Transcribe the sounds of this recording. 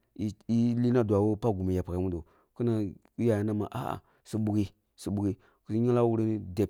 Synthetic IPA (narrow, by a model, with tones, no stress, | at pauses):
i˨i˦li˦na˦du˨a˨wo˦pa˦ɡu˨mi˨ja˨pa˨ka˨˦mu˦do˨ | ku˦na˦ | ja˨ja˦na˦ma̰˨ʔa̰˦ʔa̰˨ | si˨ɓu˨ɡi˦ | si˨ɓu˨ɡi˦ | ku˨˦i˦ɲa˦la˦wu˦ɾe˦ni˦de˨p